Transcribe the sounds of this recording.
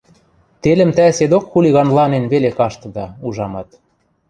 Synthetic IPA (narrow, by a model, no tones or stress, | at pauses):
t̪elɘ̆mt̪æsed̪okxulʲiɣɑnlɑnenβelekɑʃt̪ɤ̆d̪ɑuʒɑmɑt̪